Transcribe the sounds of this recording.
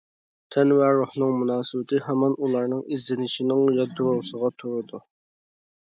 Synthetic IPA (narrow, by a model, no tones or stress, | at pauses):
t̪ʰɛnwæɾuhnɨŋmunɑːsɨbɪt̪ʰɪhɛmɑnulˠɑɾnɨŋizːɪnɪʃinɪŋjɑd̪uɾʊʁsəʁɑt̪ʰuɾɨd̪u